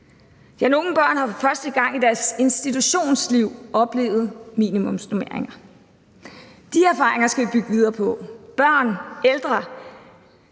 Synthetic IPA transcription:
jæno̝ːn̩b̥ɶɐ̰nhɑ̈fɶɐsd̥əɡ̥ɑ̈ŋ̰id̥æɐse̝nsd̥it͡sʰuɕo̝̰ːnsliʊʔɒ̽b̥le̝̰ːʊð̞̩ˠmḭːnimɔ̽msd̥ome̝ɐeŋɐ | d̥iæɐfɑ̈ːʁeŋɐsɡ̥æʋib̥yɡ̥əʋið̞ˠɐːpʰɒ̽b̥ɶɐ̰neld̥ʁɐ

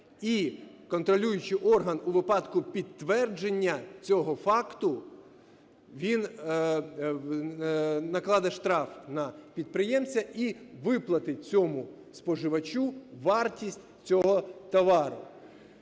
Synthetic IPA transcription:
i | kɔnt̪ɾɔlʲujʊt͡ʃɪʔɔrɦɐnʊʋɪpɑd̪kʊpʲid̪̚t̪ːʋɛrd͡ʒenʲːɐt͡sʲɔɦɔfɑkt̪ʊ | ʋʲin | nɐklˠɑd̪ɐʃt̪ɾɑfnɐpʲid̪̚pɾɪjɛmt͡sʲɐiʋɪplˠɐt̪ɪt͡sʲɔmʊ | spɔʒɪʋɐt͡ʃuʋɑrtʲisʲtʲ | t͡sʲɔɦɔt̪ɐʋɑɾʊ

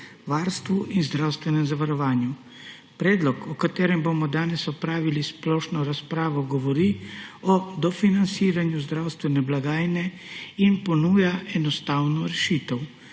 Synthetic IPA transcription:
ʋaːɾst̪ʋuʔinzd̪ɾawst̪ʋɛnɛmzaʋaɾɔʋaːnju | pɾɛːd̪lɔkɔkat̪eːɾɛmboːmɔd̪aːnɛsɔpɾaːʋilisplɔːʃnɔɾaspɾaːʋɔɡɔʋɔɾiɔd̪ɔfinansiːɾanjuzd̪ɾawst̪ʋɛnɛblaɡaːjnɛ | inpɔnuːjaɛnɔst̪aːwnɔɾɛʃiːt̪ɛw

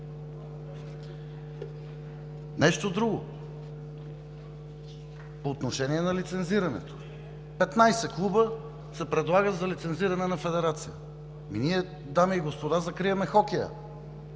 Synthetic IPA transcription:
nɛʃt̪od̪ɾuɡo̰ | poːt̪noʃɛniɛnɐlit̪sɛnziɾɐnɛ̰t̪o̥ | pɛt̪najsɛklˠubə | sɛpɾɛd̪lˠaɡəzɐlit̪sɛnziɾɐnɛnɐfɛd̪ɛɾat̪sijə̰ | miniɛ | d̪amɛiɡospod̪azɐkɾiɐmɛxɔkɛjə̰

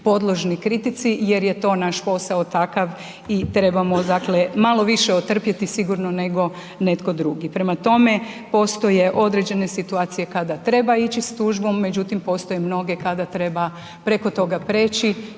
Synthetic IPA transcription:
po̞d̪lˠo̞ʒnikɾit̪it̪sijeɾje̞t̪o̞naʃpo̞saot̪akaʋ | it̪ɾe̞bamo̞d̪akle̞malo̞ʋiʃeot̪r̩pjet̪isiɡuɾno̞ne̞ɡo̞ | ne̞t̪ko̞d̪ɾuɡipɾe̞mat̪o̞me̞po̞st̪o̞je̞ʔo̞d̪ɾe̞d͡ʑe̞ne̞sit̪uaːt̪sije̞kad̪at̪ɾe̞bait͡ɕist̪uʒbo̞mːe̞d͡ʑut̪impo̞st̪o̞jemno̞ɡe̞kad̪at̪ɾe̞ba | pɾe̞ko̞t̪o̞ɡapɾe̞ːt͡ʃi

